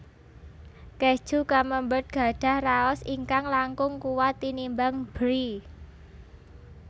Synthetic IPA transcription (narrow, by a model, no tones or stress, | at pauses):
kehd̥ʒ̥ṳkaməmbət̪̚ɡ̥ä̤ɖ̥ä̤hraɔsiŋkaŋlaŋkʊŋkuwat̪inimbaŋb̥ɾi